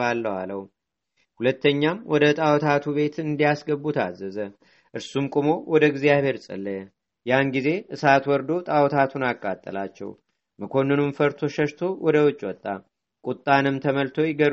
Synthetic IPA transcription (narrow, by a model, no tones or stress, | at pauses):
alːəwaləw | hulət̪ːəɲːamwɔd̪ət̪ʼawɔt̪ʰat̪ʰuβe̞t̪ɨnd̪ijasɡəbːut̪ʰa̰zːəzə | ʔɨɾsumkʼumo̞wɔd̪əɡzijaβe̞ɾsʼə̰lːəjɛ | janɡize̞ʔɨsat̪wɔɾd̪o̞t̪ʼawɔt̪ʰat̪ʰunakʼːat̪ʼːə̰lat͡ʃːɛ̰w | məkʰo̞nːɨnumfəɾt̪ʰo̞ʃəʃt̪ʰo̞wɔd̪əwɔt͡ʃʼːwɔt̪ʼːa | kʼut̪ʼːanɨmt̪ʰəməlt̪ʰo̞jɪɡəɾ